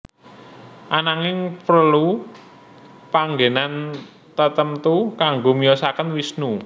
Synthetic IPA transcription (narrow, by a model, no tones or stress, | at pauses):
ʔanaŋɪŋpɾəlu | paŋɡenan | t̪ət̪əmt̪ukaŋɡomiɔsakənwisnu